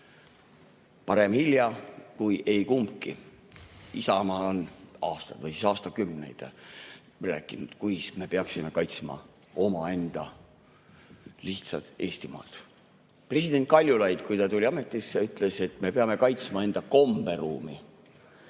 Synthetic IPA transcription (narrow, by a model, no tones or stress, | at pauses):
pɑɾe̞mhiljɑkujʔe̞jkumkːi | isɑmɑonɑːst̪ɑd̪̥vɤjsisɑːst̪ɑkymne̞̰jd̪̥ | ræːkːˑinud̪̥kujsme̞peɑksime̞kɑjt̪smɑ̰ | o̞mɑe̞nd̪̥ɑ | liht̪sɑ̰t̪e̞ːst̪imɑ̰ːlt̪ | pre̞sid̪e̞nt̪̚kɑlʲjulɑjd̪̥kujt̪ɑt̪ulʲiɑme̞t̪ːˑisːyt̪ˑle̞se̞t̪me̞peɑme̞kɑjt̪smɑe̞nd̪̥ɑko̞mb̥e̞ɾuːmi